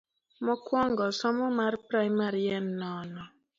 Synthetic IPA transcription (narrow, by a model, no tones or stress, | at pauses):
mɔkwɔŋɡɔsɔmɔmarpɾajmaɾiɛnːɔnɔ